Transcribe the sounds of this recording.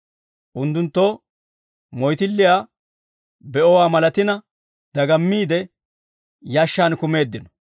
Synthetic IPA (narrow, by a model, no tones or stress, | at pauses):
ʔʊnt̪ːʊnt̪ːoː | mɔjt̪ɪlːɪjaː | bɛʔɔwaːmɐlɐt̪ɪnɐ | d̪ɐɡɐmːiːd̪ɛ | jaːʃːaːnkʊme̞ːd̪ːɪnɔ̥